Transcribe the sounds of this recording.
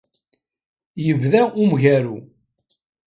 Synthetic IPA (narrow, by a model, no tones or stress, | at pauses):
jəvðæumʝæɾu